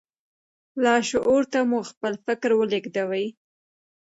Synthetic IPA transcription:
lɑʃoʔoɾt̪amuxpəlfɪkɾwəlɪɡd̪awaj

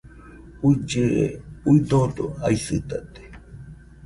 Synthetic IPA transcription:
uid͡ʒɨḛuid̪odoaisɨt̪at̪e̥

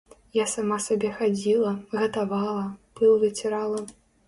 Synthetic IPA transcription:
jasamasabʲɛxad͡zʲilˠɐɣɐt̪avalˠɐb̥ɨlˠvʲɨt͡sʲɛɾalˠɐ

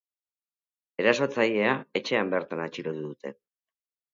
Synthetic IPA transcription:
e̞ɾaso̞t͡saje̞ae̞t͡ʃe̞ambe̞ɾt̪anat͡ʃiɾot̪uðut̪e̞̰

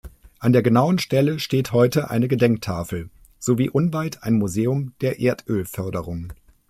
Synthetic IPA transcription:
ʔandeːɐɡənaʊənʃtɛləʃteːthɔʏtəʔa̰ɪnəɡədɛŋk̚tʰaːfl̩ | z̥oviːʔʊnvaɪtʰaɪnmuzeːʊmd̥eːɐʔeːɐtʰʔøːlfœɐdəʁʊŋ

